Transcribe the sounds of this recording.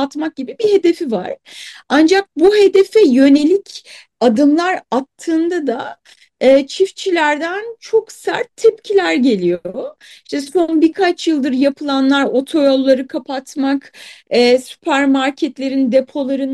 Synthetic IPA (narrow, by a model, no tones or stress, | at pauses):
t̪mak̚ɟibibihe̞d̪e̞fiva̰ɾ̥and͡ʒak̚buɦe̞d̪e̞fɛjø̞ne̞lʲicʰ | ad̪ɯmlˠaɾat̪ʰːɯːnd̪ad̪a | ɯːt͡ʃʰift͡ʃʰilʲæɾd̪ænt͡ʃʰo̞ksæ̰ɾt̪ʰːɛpcʰilʲæɾɟe̞lʲijoi̥ʃt̪ɛso̞nbikʰat͡ʃjɯlˠd̪ɯɾjapʰɯlˠanlˠaɾo̞t̪ʰo̞jolˠːaɾɯkʰapʰat̪makɛːsy̥pʰæɾmaɾcʰɛt̪lʲe̞ɾind̪e̞pʰo̞lˠaɾɯn